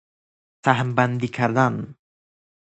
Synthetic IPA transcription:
saɦəmband̪ikʰaɾdan

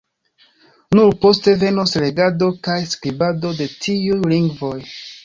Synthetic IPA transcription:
nuɾpo̞ste̞ve̞nosle̞ɡado̞kajskɾibado̞de̞tʰiujliŋɡvo̞j

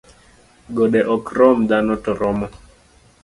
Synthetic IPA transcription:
ɡoɗeʔɔkrɔmd̪anɔtɔɾɔmɔ

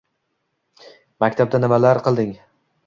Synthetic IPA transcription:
makʲt̪ʰab̪̚anɪmalaɾqɨlˠd̪ɪŋ

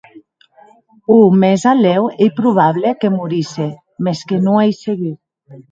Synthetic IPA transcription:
umezalɛwejpɾuβ̞aβlekemuɾise | meskenũajseɣi

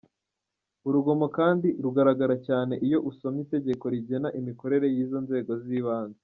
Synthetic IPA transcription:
uɾuɡo̞mokaːndiɾuɡaɾaɡaɾacaːne̞ʔijo̞ʔusomite̞ɟe̞ko̞ɾiɟe̞naʔimiko̞ɾe̞ɾe̞jiːzo̞nze̞ːɡo̞ziːβaːnze

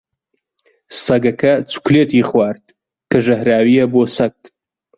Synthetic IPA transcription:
sɐɡɐkʰɐt͡su̥kleːt̪iːχwaːɾd̪̚ | kɐʒɐhɾaːwijɐboːsɐɡ̚

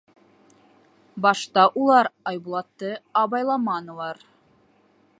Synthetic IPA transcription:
bɑʃt̪ɑʔulˠɑɾɑjbulˠɑt̪ːɤɑβɑjlˠɑmɑnɤ̆lˠɑɾ

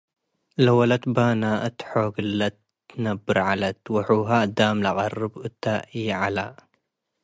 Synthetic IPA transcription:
lawɐlat̪baːnaʔɨt̪ħoɡɨlːat̪ː | nɐbːɨɾʕalɐt̪waħuɦad̪aːmlaqɑrːɨbɨt̪ːaʔiʕala

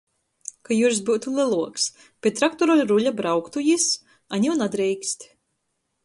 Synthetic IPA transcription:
kajuːɾs̬buwt̪ulʲˠɨlˠuɔks | pʲett̪ːɾakt̪ɔɾɔlʲɾuʎʲabɾawkt̪ujis | aɲʲiwnad̪ɾɛjkʲsʲt̪ʲ

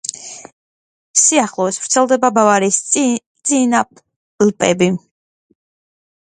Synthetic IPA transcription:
siaχlˠɔsvɾt̪sʰɛlˠd̪ɛbabavaɾist̪sʼinap | lpʼɛ̰bi

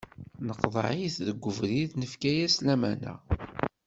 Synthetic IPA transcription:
nəqðˤəʕiθðəɡʷːəvɾiðnəfkæjæslæmænæ̰

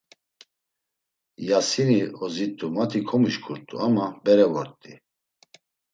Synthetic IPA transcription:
jasiniɔzit̪ʼumat̪ʰikʰɔmiʃkʰʼuɾt̪ʼṵamabɛɾɛvɔɾt̪ʼi

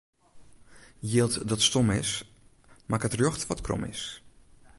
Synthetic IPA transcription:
jeːlˠtdɔtstomɪs | makətrjoxtʋɔtkʰr̰mɪ̰s

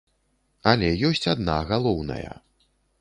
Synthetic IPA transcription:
alʲɛjɔsʲt͡sʲad̪naɣalˠɔwnɐ̰jɐ̰

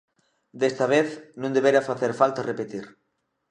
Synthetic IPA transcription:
d̪est̪ɐβ̞eθnũnd̪eβeɾafaθeɾfalt̪arepet̪iɾ

